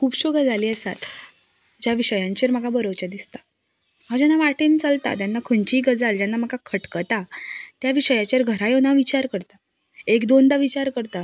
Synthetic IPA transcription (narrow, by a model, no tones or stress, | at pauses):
kʰuːbɕoɡəd͡zaliːəsa̰t̪ | d͡ʑjaʋiɕəjãɲt͡ɕeɾmaɡabəɾowt͡ɕad̪ist̪ḁ | mad͡ʑanːaʋaʈenit͡səlt̪a̰t̪janːakʰəɳt͡ɕiːɡəd͡zald͡ʑanːam̤akakʰəʈkət̪at̪jaʋiɕəjat͡ɕaɾɡʱəɾajonaʋit͡ɕaɾkəɾt̪a | ekd̪ond̪aʋit͡ɕaɾkəɾt̪a